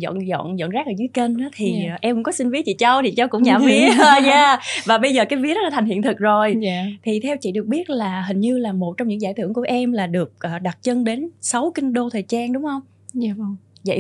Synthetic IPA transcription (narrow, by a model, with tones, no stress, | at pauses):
zɔ̰˧˨nzɔ̰˧˨nzɔ̰˧˨nzaː˦˥k̚ʔəː˧˩zɨ˨˦jke˧naː˨˦t̪ʰi˨˩˨ʔɛ˧mkʊ˧˥ŋ͡mkɔ˨˦sï˧nvi˦ət͡ɕḭ˧˨t͡ɕə˧wt̪ʰi˨˩t͡ɕa˧wkʊ̰˧˥ŋ͡mɲaː˨˩vi˧ɲaː˧vaː˨˩ɓə˧jzəː˨˩kaː˨˦jvi˧˦ətɗɔ˨˦aː˧˥a˨˩jŋhḭ˧˨ənt̪ʰɨ˨˩k̚zo˨˩jt̪ʰi˨˩t̪ʰɛ˧wt͡ɕḭ˧˨ɗɨ˨˩ək̚ɓi˦˥ət̚laː˨˩ɦï˨˩ŋ̟ɲɨ˧laː˨˩mo˨˩t̚t͡ɕɔ˧wŋ͡mɲɨ̰˧˥ŋzaː˧˩t̪ɨ˧˩əŋku˧˩əʔɛ˧mlaː˨˩ɗɨ˨˩ək̚ʔəː˨˩ɗa˨˩t̚t͡ɕə˧nɗe˨˦nsə˨˦wki˧nɗo˧t̪ʰəː˨˩t͡ɕaː˧nɗʊ˨˦ŋ͡mhə˧wŋ͡m | zə̰˧˨